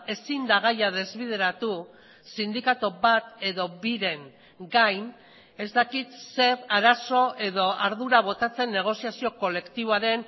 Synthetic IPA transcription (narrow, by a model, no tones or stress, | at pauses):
e̞sind̪aɣ̞ajað̞e̞zβiðe̞ɾat̪u | sind̪ikat̪oβat̪e̞ðo̞βiɾe̞ŋ | ɡajn | e̞zt̪akit̪se̞raɾaso̞ʔe̞ðo̞aɾðuɾaβ̞o̞t̪at͡se̞nːe̞ɣ̞o̞siasio̞ko̞le̞kt̪iβoaɾe̞n